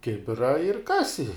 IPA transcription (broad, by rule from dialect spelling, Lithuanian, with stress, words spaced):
ˈkʲɪbʲɪrɐ ɪr ˈkɑːsʲɪ